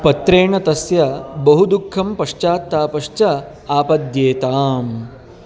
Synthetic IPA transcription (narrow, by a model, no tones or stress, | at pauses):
pɐt̪ɾeːɳɐt̪ɐsjɐbɐɦud̪ukʰːɐmpɐʂt͡ʃaːt̪ːaːpɐʂt͡ʃɐ | aːpɐd̪jeːt̪aːm